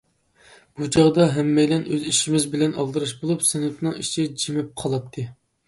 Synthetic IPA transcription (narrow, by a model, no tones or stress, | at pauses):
b̥ud͡ʒʰɑʁd̪ɑɦɛmːɛjlɛnøziʃimɪzbɪlɛnɑlˠd̪ɨɾɨʃbolˠupsɛnyt̪ʰnɨŋiʃʰid͡ʒimɪp̚qʰɑlˠɑt̪ʰːɨ